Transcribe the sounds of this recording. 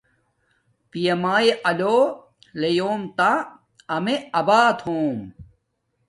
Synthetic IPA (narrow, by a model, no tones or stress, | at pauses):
pijɐmaːeʔɐlo | lejoːmt̪a | ɐmeɐbaːt̪ʰhoːm